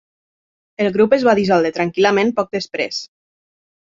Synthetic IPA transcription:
elˠɣɾupezβaðizɔlˠd̪et̪ɾaŋkiləmẽnpɔk̚d̪əspɾḛs

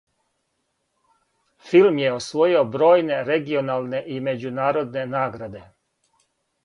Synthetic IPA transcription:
filˠmjeosʋo̞jio̞bɾo̞ːjne̞ɾeɡio̞naːlˠne̞ʔime̞d͡ʑunaːɾo̞d̪ne̞naːɡɾad̪e̞

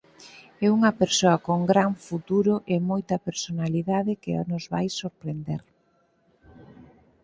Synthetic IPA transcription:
ɛuŋɐpeɾsoɐkoŋɡɾaɱfut̪uɾʊʔemojt̪ɐpeɾsonaliðaðɪkɪa̰nʊzβajsoɾpɾend̪eɾ

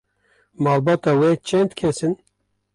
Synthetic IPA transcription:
mɑːlbɑːt̪ɑːwɛt͡ʃʰɛnd̪kʰɛsɨn

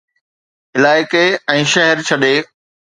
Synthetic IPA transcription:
ɪlaːɪkeɛ̃ːʃɛɦəɾt͡ɕʰɐɗeː

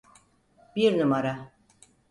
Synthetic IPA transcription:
biɾnɯmaɾa

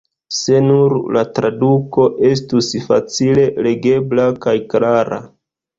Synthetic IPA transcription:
se̞nuɾlatɾaduko̞ʔe̞s̬tusfa̰t͡sile̞le̞ɡe̞blakajklaɾa̰

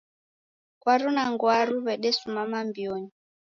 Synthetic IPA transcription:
kwaɾunaŋɡwaɾuβɛɗɛsumamambioɲi

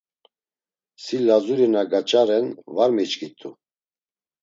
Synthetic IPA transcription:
silazuɾinaɡat͡ʃʼaɾɛnvaɾmit͡ʃkʰʼit̪ʼu

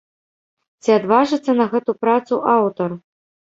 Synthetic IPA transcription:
t͡sʲiad̪vaʐɨt̪sːɐnɐɣɛt̪upɾat̪suʔawt̪ɐr

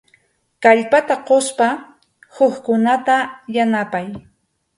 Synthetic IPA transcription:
kaʎpat̪aqospa | hʊχkʊnat̪ajanapaj

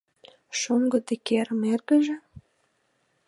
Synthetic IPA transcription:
ʃuŋɡɤ̆d̪ĕkeɾəmerɣə̆ʒĕ

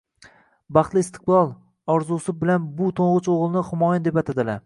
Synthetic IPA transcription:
bɑχt̪lˠɪɪst̪ʰɨ̥qlˠɒlˠ | ɒɾzusɪb̚bɪlanbʊt̪ʰoɴʁʊt͡ʃoʁlˠɪnɪχɪmɒjand̪e̞pat̪ʰad̪ɪla

